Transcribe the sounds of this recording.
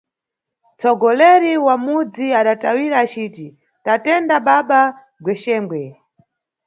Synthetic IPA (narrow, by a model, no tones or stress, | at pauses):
t͡sɔɡɔlɛɾiwamud͡ziaɗatawiɾaːt͡ʃiːti | tatɛndaɓaɓa | ɡwɛʃɛːŋɡwɛ